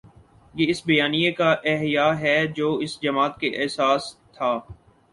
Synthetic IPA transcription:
jeːɪsbɐjaːnijekaʔɛɦjaːɦɛd͡ʒoːɪsd͡ʒɐmaːt̪keʔɛɦsaːst̪ʰaː

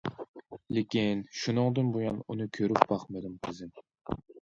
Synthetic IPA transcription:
lɪkʲinʃunɨŋd̪ɨnbujɑnunɨkʲʰøɾyp̚bɑχmɨd̪ɪmqʰɨzɪm

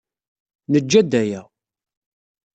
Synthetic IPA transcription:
nəd͡ʒːæd̪ːæjæ

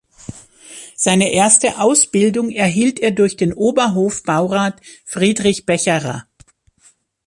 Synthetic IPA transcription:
z̥aɪnəʔeːɐstəʔaʊsb̥ɪldʊŋɛɐɦiːlteːɐdʊɐçd̥eːnʔoːbɐɦoːfb̥aʊʁaːtfʁ̥iːdʁɪçb̥ɛçɐʁa̰

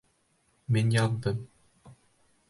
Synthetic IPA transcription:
minjɑðd̪ɤm

